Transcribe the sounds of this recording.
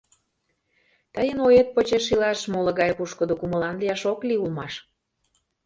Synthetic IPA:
t̪əjənojet̪̚pət͡ɕeʃilɑʃmolə̆ɣɑjpuʃkəd̪okumə̆lɑnliɑʃokliulmɑʃ

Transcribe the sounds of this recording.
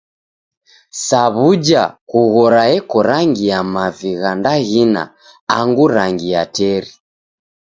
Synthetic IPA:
saβud͡ʒa̰kuɣɔɾaɛkɔɾaŋɡijamaviɣandaɣina̰ | aŋɡuɾaŋɡijatɛɾi

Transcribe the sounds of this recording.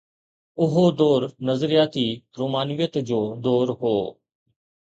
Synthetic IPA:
ʊɦoːd̪oːɾnəzəɾɪjaːt̪iːpɾoːmaːnʋɪjət̪d͡ʒoːd̪oːɾɦoː

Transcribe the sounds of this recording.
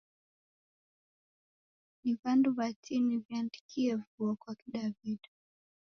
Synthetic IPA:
nivanduβatʰiniviandikʰiɛvuɔkwakiɗaviɗ

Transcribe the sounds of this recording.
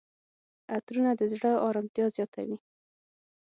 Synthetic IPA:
at̪ɾunad̪əzɽəɑɾɑmt̪jɑzjɑt̪ʰa̰wi

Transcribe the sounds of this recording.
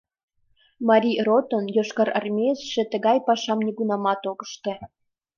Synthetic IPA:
mɑɾʲirot̪onjoʃkɑɾə̰rmʲesʃĕt̪ə̆ɣɑjpɑʃɑmnʲiɣunɑmɑt̪oɣəʃt̪ĕ

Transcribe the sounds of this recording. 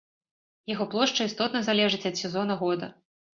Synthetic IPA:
jaɣɔplˠɔʂt͡ʂɐist̪ɔt̪nɐzalʲɛʐɨt͡sʲɐt̪sʲɛzɔnɐɣɔd̪ɐ̰

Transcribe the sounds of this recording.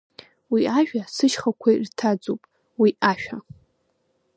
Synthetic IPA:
wiaʒᶣʷasɨʃχakʷʰartʰad͡zopʼ | wiaʃᶣa

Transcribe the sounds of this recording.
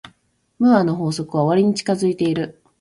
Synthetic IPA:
mɯ̟ano̞ɦo̞ːso̞kɯ̟βaoβaɾʲiɲ̟it͡ɕi̥kazɨit̪e̞iɾɯ̟

